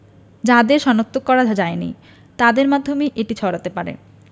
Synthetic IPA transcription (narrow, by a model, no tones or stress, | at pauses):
d͡ʑad̪eɾʃɔnot̪ːokːɔɾad͡ʑʱad͡ʑaenḭ | t̪ad̪eɾmad̪ʱːomeʔeʈit͡ɕʰɔɾat̪epaɾḛ